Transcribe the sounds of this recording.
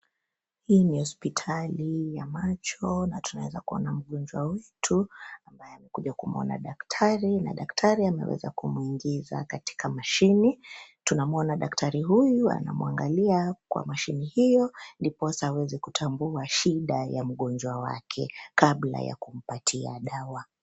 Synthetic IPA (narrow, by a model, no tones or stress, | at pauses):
hiːnihɔspitʰalijamat͡ʃɔnatunawɛzakuɔ̰nam̩ɠɔnd͡ʒwawɛtʰuambajɛamɛkuʄakumɔ̰na̰ɗaktʰaɾina̰ɗaktʰaɾiamɛ̰wɛ̰za̰kumuiŋɡiza̰kati̥kʰamaʃinitunamɔnaɗaktʰaɾiɦujua̰na̰muaŋɡaliakwa̰maʃinihijɔndipɔsawɛzikutʰambuaʃiɗajam̩ɠɔnd͡ʒwawa̰kʰɛ̰kaɓla̰ja̰kum̩patʰia̰ɗawa